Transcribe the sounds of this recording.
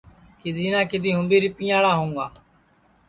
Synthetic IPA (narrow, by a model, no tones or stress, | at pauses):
kɪd̪ʱiːnãːkɪd̪iːɦʊ̃mbeːɾiːpɪ̃jãːɽaːɦõːŋɡaː